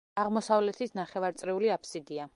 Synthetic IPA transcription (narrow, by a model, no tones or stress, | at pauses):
aʁmɔsavlɛt̪ʰisnaχɛvaɾt̪sʼɾɛuliapʰsid̪ia